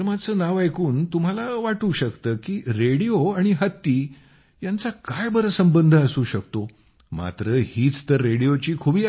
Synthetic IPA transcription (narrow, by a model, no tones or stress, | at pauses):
mat͡səːnaʋajkuːnt̪um̤alaʋaʈuːɕəkt̪əːkiːɾeɽijoaɽ̃iɦət̪ːiː | jant͡sakajbəɾəsəmbənd̪ʱəːsuːɕəkt̪o | ma̰t̪ɾəhiːt͡st̪əɾːeɽijot͡ɕiːkʰubiː